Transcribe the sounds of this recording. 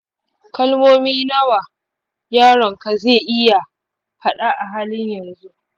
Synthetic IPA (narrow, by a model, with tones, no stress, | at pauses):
kɐ˦lmoː˦miː˦nɐ˦wa˨ | jaː˦ɾɔ˨ŋka˨zeː˦˨ʔɪ˦ja˨ | ɸɐ˦ɗa˦ʔa˨ɦaː˦lɪ˦ɲjɐ˨nzu˦ʔ